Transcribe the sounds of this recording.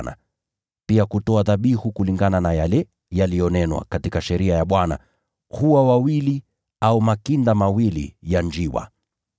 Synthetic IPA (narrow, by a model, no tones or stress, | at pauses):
na̰ | piakutɔaðaɓihukuliŋɡananajalɛ | jalijɔnɛnwa̰katikaʃɛɾiajaɓwana̰ | huwawawili | aumakindamawilḭjand͡ʒiwa̰